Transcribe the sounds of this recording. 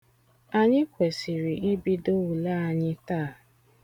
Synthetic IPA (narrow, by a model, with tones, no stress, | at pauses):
a˨ɲɪ˦kʷe˨si˨ɾi˨i˦bi˦do˦wu˨la˦a˨ɲɪ˦taː˦˨